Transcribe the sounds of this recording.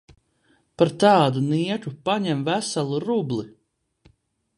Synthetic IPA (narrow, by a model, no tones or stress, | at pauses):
paɾt̪ɑːd̪uniɛkupaɲɛmvæsalˠuɾublˠi